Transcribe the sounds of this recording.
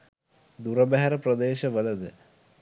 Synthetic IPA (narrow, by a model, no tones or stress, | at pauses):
d̪uɾəbæɦæɾəprəd̪eːʃəʋələd̪ə